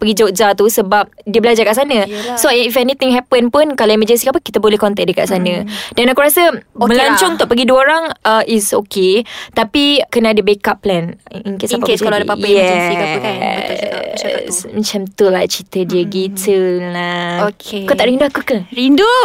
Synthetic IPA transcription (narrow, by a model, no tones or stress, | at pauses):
pəɡid͡ʒoʔd͡ʒat̪usəbap̚diəbəlad͡ʒakaʔsanə̃soifɛnĩt̪iŋɦɛpənpunkalaiməd͡ʒɛnsikapəkit̪əbolɛhkɔnt̪ɛk̚dəkaʔsanə̃danakuɾasəmə̃laɲt͡ʃɔŋut̪uʔpəɡiduəoɾaŋəʔisoket̪apikənãːdəbekapːlɛniŋkesapakskaladapajɛia | smət͡ʃamt̪ulat͡ʃit̪ədiəɡit̪ʰəakakut̪aʔɾindoakukəɾindo